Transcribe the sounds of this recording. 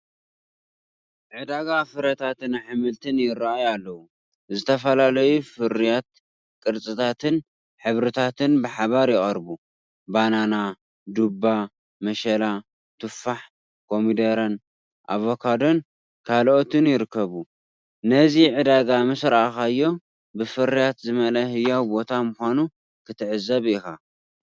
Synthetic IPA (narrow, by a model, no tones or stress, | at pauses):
ʕɨd̪aɡafɨɾɐt̪ʰat̪ɨnħɨmɨlt̪ʰɨnjɪɾaajualːɐwu | zɨt̪ʰɐfɐlalɐjufɨɾijat̪̚ | kʼɨɾt͡sʼɨt̪ʰat̪ʰɨn | ħɨβɾɨt̪ʰat̪ʰɨnbɨħaβaɾjɪχʼɐɾbu | banana | d̪ubːa | mɐʃɐla | t̪ʰɨfːaħ | kʰo̞mid̪ɐɾɐn | ʔa̰vokʰad̪o̞n | kʰalʔot̪ɨnjɪɾɨkːɐβu | nɐziʕɨd̪aɡamɨsɾaʔxajːo̞ | bɨfɨɾijat̪zɨmɐlɐɦɨjːawbo̞t̪ʰamʊxʷanu | kʰɨt̪ʰɨʕɨzɐβɪxa